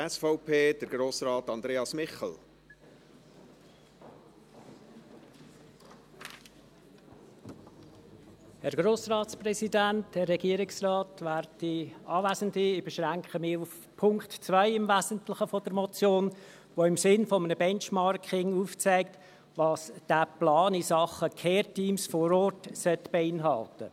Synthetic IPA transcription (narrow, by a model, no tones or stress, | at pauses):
ɛsfɔʊpʰeːd̥əɾɡ̥ɾoːsɾɑːtɑnd̪ɾeːɑsmɪχl̩ | hɛɾɡ̥ɾoːsrɑːtsprɛsidæntd̥ərːɛɡ̥iəɾɪksrɑːtvæːɾiɑːvæːzəntliɪbɛʃʁæŋkχəmɪːɾuf | pʰʊŋktt͡svœɪɪmvæːzəntlɪχəfodəɾmɔt͡sjoːn | ʋoɪmsɪnfɔmənəbɛnt͡ʃmɑɾkʰɪŋuːft͡sæɪk̚t | ʋɑːsd̥æplɑːnisɑχəkʰɛːɾtiːmsfɔɾɔɾtsœtb̥ɛɪnɦɑltə